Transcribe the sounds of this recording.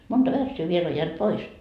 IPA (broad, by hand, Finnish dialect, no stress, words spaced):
montɑ ʋærsːyː ʋiel o jæːnt pois